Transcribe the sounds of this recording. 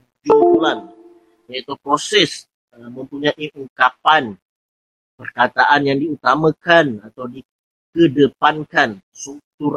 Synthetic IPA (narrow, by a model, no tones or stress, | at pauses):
d͡ʒulan | jait̪upɾosɛs | əmə̃mpuɲaʔiʔuŋkapan | pərkat̪aʔanjaŋdiut̪amãkanat̪awdi | kədəpankan | suk̚t̪ur